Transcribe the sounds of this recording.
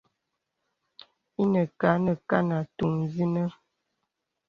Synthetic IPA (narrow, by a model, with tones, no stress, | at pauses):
i˦nə˨ka˨˦nə˨ka˦na˨tu˨ŋzi˦nə˦